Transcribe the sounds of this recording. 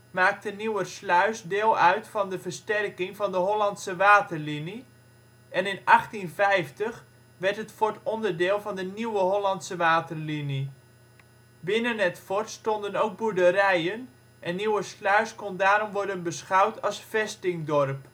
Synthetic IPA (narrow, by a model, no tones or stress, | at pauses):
maːk̚təniwərslœɥsdɪːlˠœɥtfɑndəvərstɛrkɪŋvɑndəɦɔlɑntsəʋaːtərlini | ʔɛnɪnɑχtinvɛjftəχ | ʋɛrtɦətfɔɹtɔndəɹdɪːlˠvɑndəniwəɦɔlɑntsəʋaːtərlini | bɪnənɛtfɔɹtstɔndənowk̚budəɾɛjən | ʔɛnːiwəslœɥskɔndaːɾɔmʋɔɹdənbəsχɑwtʰɑlˠsfɛstɪŋdɔrp